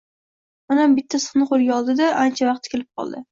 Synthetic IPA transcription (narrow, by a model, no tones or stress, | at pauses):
manambɪt̪ʰːasɨ̥χnɨqoɾɡʲaɒlˠd̪ɪd̪aʔant͡ʃʰavɑqt̪kʲelɪp̚qʰɒ̰lˠd̪ɪ